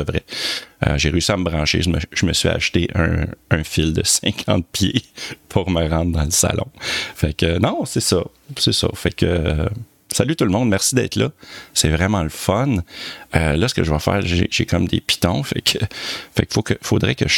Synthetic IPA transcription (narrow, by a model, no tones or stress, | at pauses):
əvʁɛə̰ʒeʁeysiaməbʁɑ̃ʃeʒəməʒ̥əməsɥia̰ʃt̪eʔə̰̃ːfɪld̪əsɛ̃kʰɑ̰̃t̪̚pʰjepʰuʁməʁɑ̃d̪ʁd̪ɑ̃ləsa̰lɔ̰̃fakənɔ̃sɛsʌ | sɛsʌ̰fakʰø | salyt̪ulmɔ̃d̪mɛʁsid̪ɛ̰t̪ʰlʌsɛvʁɛmɑ̃ləfɔnølɔsə̥kəʒəvɐfɛ̰ːʁʒḛʒekʰʌmd̪ḛpi̥t̪ɔ̃fa̰kfa̰kfokəfod̪ʁɛkə̰ʒ